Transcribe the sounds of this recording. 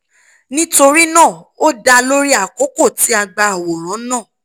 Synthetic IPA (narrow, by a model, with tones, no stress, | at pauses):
nĩ˦to˧ɾi˦nãː˦˨ | o˦da˧lo˦ɾi˦a˦˨ko˨˦ko˦˨ti˨˦a˧ɡ͡ba˧a˨wo˨ɾ̃ɔ̃˨˦nãː˦˨